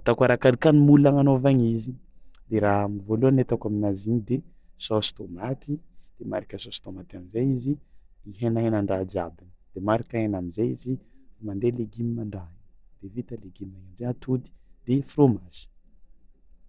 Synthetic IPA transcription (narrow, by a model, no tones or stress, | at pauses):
t̪akaɾakalikanimulaŋanovaɲizid̪̥eɾaɦamivoluanet̪akaminazinid̪e | sosi̥t̪omat̪id̪̥ema̰ɾikʲəsost̪omat̪iamizajizi | iɦenanaɳɖ͡ʐad͡ʒa̰binəd̪̥emaɾakaenamizajizifumand̪eleɡimimaɳɖ͡ʐad̪̥evit̪əleɡimajiɖ͡ʐeat̪ʰud̪i̥d̪̥efromaz̥i̥